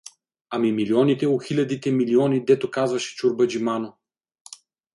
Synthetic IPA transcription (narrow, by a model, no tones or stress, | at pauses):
amimiliɔnit̪ɛoxilʲɐd̪it̪ɛmiliɔnid̪ɛt̪okazvɐʃɛ̥t͡ʃuɾbɐd͡ʒimano